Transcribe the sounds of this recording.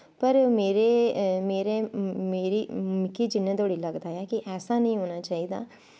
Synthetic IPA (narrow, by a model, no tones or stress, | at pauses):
pəɾmeːɾeːmeːɾeːmeːɾiːmɪkiːd͡ʒɪnːẽːt̪oːɽiːləɡd̪aːjaːkɪʔɛːsaːnəĩːɦoːñaːt͡ʃaːiːd̪a̰ː